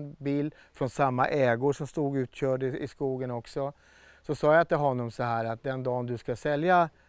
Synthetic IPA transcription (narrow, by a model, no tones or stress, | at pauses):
nbiːl | fɾɔnsamːa̰ʔɛːɡʊʂɔmst̪uːɡʉ̟ːt̪ɕœːɖɪskuːɡənɔksɔ | sɔsɑːjat̪ɪlɦɔnːɔmsɔɦæːɾat̪̚d̪ɛnd̪ɑːnd̪ɵskasɛlja